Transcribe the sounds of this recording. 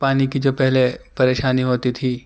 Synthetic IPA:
paːnikid͡ʒoːpɛɦlepɐɾeːʃaːniɦoːt̪it̪ʰiː

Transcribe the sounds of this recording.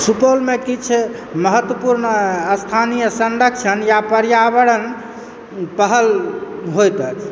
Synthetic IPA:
supolmekit͡ʃʰ | məɦət̪wəpuɾnəst̪ʰanijəsənɖəkʃʰənjapəɾjabəɽən | pəɦəlɦojt̪əkʰ

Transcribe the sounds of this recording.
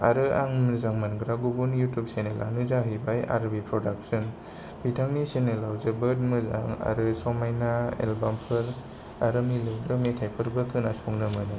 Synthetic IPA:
aɾɯaŋmɯzaŋmanŋɡɾaɡubunjutjup̚senela̰nɯzaɦɯjbaja̰ɾbipʰɾɔdak̚sɯn | b̥itʰaŋnisenelawzɯbɯd̚mɯza̰ŋa̰ɾɯsɔmajnaḛlbampʰɯɾ | aɾɯmilɯwdɯmetʰajpʰɯɾbɯkʰɯnasɔŋnɯmɯnɯ

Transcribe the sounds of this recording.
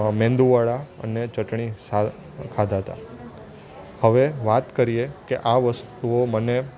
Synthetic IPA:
mẽnd̪uʋaɭaə̰net͡ʃəʈɳisa | kʰad̪ʱɦət̪a̰ | həʋeʋat̪kəɾijekeʔaʋəst̪uoməne

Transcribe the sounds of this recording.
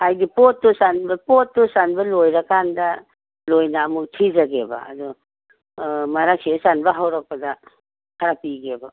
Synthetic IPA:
ajdipotːusanbɐpotːusanbɐlojɾɐkandɐ | lojnaːmuk̚tʰizɐɡebɐ̰ːdɔ | maɾak̚sesanbɐɦawɾak̚pɐdɐ | hʰaɾapiɡebɐ

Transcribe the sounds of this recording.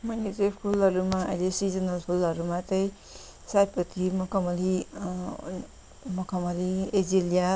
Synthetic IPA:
mʌnet͡sʌpʰulʌɾumaʌ̰jlesid͡zʌnʌlpʰulʌɾumat͡sʌj̃ | sapʌt̪ʰimʌkʌmʌli | mʌkʰʌmʌlied͡zilija

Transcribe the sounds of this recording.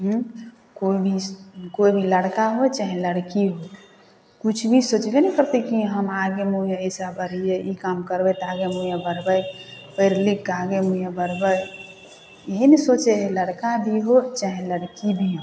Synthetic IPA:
ɦũ | koibʱikoibʱiləɽkaɦot͡ʃaɦẽləɽkiɦo | kut͡ʃʰbʱisot͡ʃlenɛkəɾt̪ekiɦəmaɡemuijaesabəɾijeʔikamkəɾbət̪aɡemujabəɾbəjpəɾlikːaɡemujabəɾ̤bəj | eɦinesot͡ʃeɦeləɽkabʱiɦot͡ʃaɦẽləɽkibʱiɦõ

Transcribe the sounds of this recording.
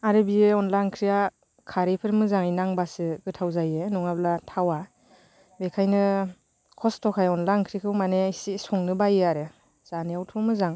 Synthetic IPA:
aɾɯbijeɔnlaŋkʰɾija | kʰaɾipʰɯɾmɯzaŋinaŋbasɯɡɯtʰawzajenɔŋablatʰawa | bekʰajnɯ | kʰɔstʰɔkʰajɔnlaŋkʰɾikʰɯwmaneisisɔŋnɯbajeaɾɯ | z̥anijawtʰumɯzaŋ

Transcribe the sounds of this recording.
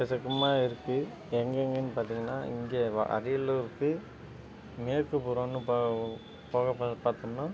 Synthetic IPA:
pɛsɐkːɯmaːɪɾɯkːɯ | ɛŋɡeŋɡɐnːɯpaːɾt̪iːŋɡɐnːaːɪ̰ŋɡḛːʔɐ̰ɾɪjɐlːɯɾɯkːɯ | meːɾkːɯpɔɾonːɯpː | poːɣɐppaːɾt̪ɯmnːɐ

